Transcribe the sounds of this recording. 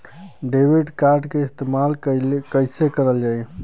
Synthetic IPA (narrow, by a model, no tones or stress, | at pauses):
ɖebiɖkaɾɖkeɪst̪emalkəjsekəɾəld͡ʒaj